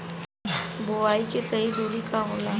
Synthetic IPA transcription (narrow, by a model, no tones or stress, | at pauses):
bʊaːikisɐɦid̪uːɾikaɦʊnaː